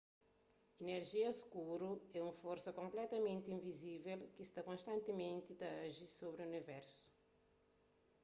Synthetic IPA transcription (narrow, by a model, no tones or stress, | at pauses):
ineɾʒiɐskuɾuɛũmfoɾsɐkõmplɛt̪ɐmẽnt̪ĩvizivɛlkist̪akõst̪ɐ̃nt̪imẽnt̪it̪ɐɐʒisoβɾiunivɛɾsu̥